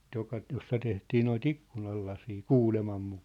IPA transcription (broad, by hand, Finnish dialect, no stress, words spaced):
jokɑ t josːɑ tehtiː noit ikːunɑlːɑsiː kuːlemɑm mukɑː